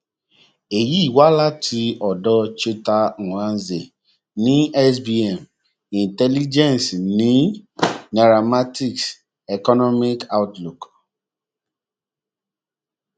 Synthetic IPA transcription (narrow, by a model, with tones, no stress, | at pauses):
e˨ji˨˦i˦˨wa˦la˦tʰi˧ɔ˨dɔ˧t͡ʃe˦ta˧u˨ã˦˧n˦ze˨ | nĩ˦ɛ˦sbi˦ɛ˨m | ĩ˨n˨tɛ˦li˦d͡ʒɛ̃˦˨n˨snĩ˨˦na˨ɾa˨ma˦ti˦ks | ɛ˨kɔ˦nɔ˦mi˦ka˦wtlu˨k